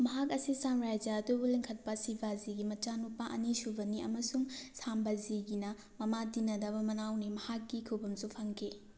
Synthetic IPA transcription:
mɐɦak̬ɐsisamɾajd͡ʒɐːdubuliŋkʰɐt̚pɐsibʱaziɡimɐt͡ʃanupːɐʔɐnisubɐniɐ̰mɐsuŋsambɐziɡinɐ | mɐmadinɐdɐbɐmɐnawnimɐhakːikʰubɐmsupʰɐŋkʰi

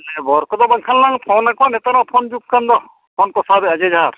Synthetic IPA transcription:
nɛbɔɾkɔd̪ɔbɐŋkʰalnaŋpʰɔnakɔnɛt̪aɾɔ̃wpʰɔnd͡ʒup̚kand̪ɔ | pʰɔnkɔsabɛad͡ʒed͡ʒaɾ

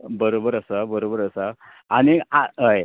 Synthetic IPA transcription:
bəɾobəɾəsabəɾobəɾəsa | aniaɦəj

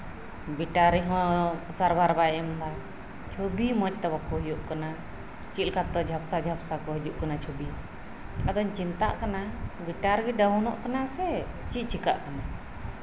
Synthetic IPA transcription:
biʈaɾiɦɔ̃saɾbaɾbajɛmd̪a | t͡ʃʰobimɔc̚ˀt̪ɛwakɔɦɔjuʔkana | t͡ʃilkat̪ːɔd͡ʒʱapsad͡ʒʱapsakɔɦid͡ʒuʔkanat͡ʃʰɔbi | ad̪ɔɲt͡ʃint̪a̰ʔkanabiʈaɾɡiɖaunɔ̰ʔkanasɛ | t͡ʃic̚ˀt͡ʃʰika̰ʔkana

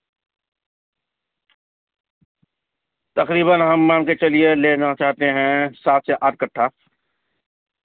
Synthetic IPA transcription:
t̪ɐqɾiːbənɦɐmːãːmket͡ʃɐlieleːnat͡ʃaːɦt̪eɦɛ̃saːt̪ʰseʔaːʈ̪̚kɐʈʰːaː

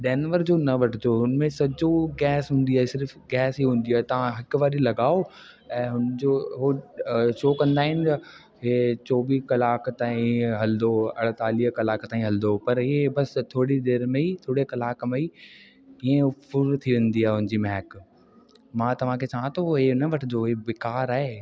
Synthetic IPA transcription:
ɗɛːnʋəɾd͡ʑoːnɐʋɐʈʰɪd͡ʑoːɦʊnmẽsɐd͡ʑoɡɛːsɦũːn̆d̪iaːɦesɪɾfɡɛːsɦiːɦũːnd̪iaːet̪ɐʋ̤ãɦɐkʋaːɾilɐɡaːo | ɛ̃ːɦʊnd͡ʑoːɦoʃɔːkɐ̃nd̪aːɦɪnɪ̆t̪ɐ | ɦet͡ɕɔːʋiːkɐlaːkt̪aːĩɦɐld̪oɐ̰ɽ̤t̪aːliːɦkɐlaːkt̪aːĩɦɐld̪opɐɾɪebɐst̪ʰoːɽid̪eːɾmẽit̪ʰoːɽekɐlaːkmei | iẽpʊɾt̪ʰiʋẽːn̆d̪iaːɦeɦʊ̃nd͡ʑiːmɛ̃ːək | mãːt̪ɐʋ̤ãkʰet͡ɕaːãt̪ʰoɦenəʋɐʈʰɪd͡ʑoːɦebɪkaːɾaːɦeː

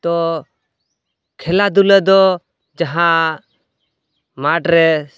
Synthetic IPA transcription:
t̪ɔ | kʰɛlad̪uləd̪ɔ | d͡ʒaɦã | maʈɾɛ

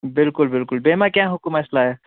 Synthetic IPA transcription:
bɪlkʊlbɪlkʊlbeːmãkjãɦʊkumɐslaɦɛ

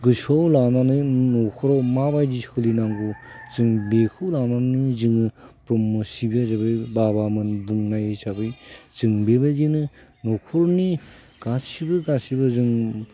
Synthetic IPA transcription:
ɡɯsɔwlananɯnɔkʰɔɾɔmabajdihɯlinaŋɡuzɯŋbekʰɯwlanannizɯŋɯpɾɔmːɯsibiazabɯjbabamɯnbuŋnajɯsabɯjzɯŋbebaɡinɯ | nɔkʰɔɾɔni | ɡ̥asibɯɡasibɯzɯŋ

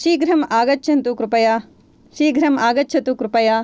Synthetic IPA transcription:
ʃiːɡɾɐmaːɡɐtːʃʰɐnt̪ukɾupɐjaː | ʃiːɡɾɐmaːɡɐtːʃʰɐt̪ukɾupɐjaː

